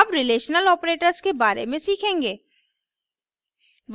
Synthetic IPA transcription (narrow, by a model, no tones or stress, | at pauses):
ɐpɾɪleːʃnəlɔːpɾeːʈəɾzkebaːɾḛmẽsiːkʰẽːŋɡeː | ʋ